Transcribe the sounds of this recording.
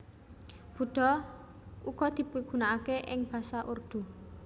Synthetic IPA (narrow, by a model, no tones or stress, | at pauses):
b̥ṳɖ̪̥ɔ̤ | uɡ̥ɔd̪̥i̤piɡ̥ṳnaakeʔɪŋb̥a̤saʔurd̪̥u